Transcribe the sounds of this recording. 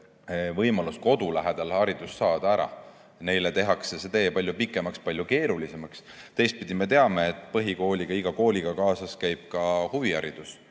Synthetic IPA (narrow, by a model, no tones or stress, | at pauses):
vɤjmɑlusko̞d̪̥ulæɦed̪̥ɑlhɑɾid̪̥usːɑːd̪̥ɑæɾɑ̰ | ne̞jlet̪e̞ɦɑksese̞t̪e̞ːpɑlʲjupikːˑe̞mɑkspɑlʲjuke̞ːɾulise̞mɑkst̪e̞jst̪̚pid̪̥ʲimet̪e̞ɑmɑet̪ːˑpɤɦiko̞ːlʲiɡ̥ɑiɡ̥ɑko̞ːlʲiɡ̥ɑkɑːsɑskæjb̥̚kɑhuviɑɾid̪̥us